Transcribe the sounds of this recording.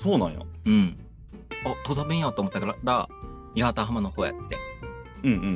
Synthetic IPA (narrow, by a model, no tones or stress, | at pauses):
soːnã̰ɰ̃jo̰ɯ̟̃ɴ | at̪ozabẽĩjat̪oːmot̪ːakaɾaɾa̰ | ihat̪aɦamanohoːja̰t̪ːe̞̰ | ɯ̟̃ɴɯ̟̃ɴ